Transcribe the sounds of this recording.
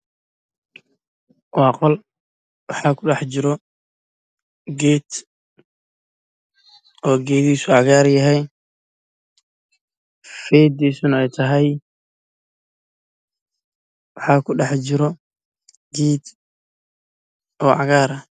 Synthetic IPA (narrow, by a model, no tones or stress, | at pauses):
wɑːqɔl | wɑħɑːkʰʊɖɑħt͡ʃɪɾɔ | ɡɛːd̪ | ɔːɡɛːðiːsʊʕɑɣaːɾjɐɦɛj | fɛːd̪iːsʊnɛjt̪ʰɐɦɛj | wɑħɑːkʰʊɖɑħt͡ʃɪɾɔ | ɡiːd̪ | ʔɔːʕɑ̰ɣaːɾɐ